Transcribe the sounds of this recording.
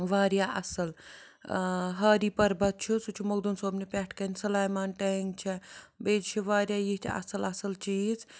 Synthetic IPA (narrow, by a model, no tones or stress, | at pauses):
ʋaːɾjaʔɐsɐl | ɦɐːɾiːpɐɾbɐt̪̚t͡ʃʰusut͡ʃʰumɐɡd̪unsoːbnipʲɛːʈʰkɐnʲsɐlaːjmaːnʈɐŋɡt͡ʃʰɛbeːd͡ʒt͡ʃʰiʋaːɾjajiɦt̪ʰiɐ̰sɐlɐsɐlt͡ʃiz